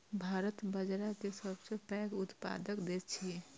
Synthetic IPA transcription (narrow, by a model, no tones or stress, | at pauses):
bʱaːɾət̪bəd͡ʒɾakesəbsepɛːɡʊt̪pa̰ːd̪əkd̪eːt͡ʃʰi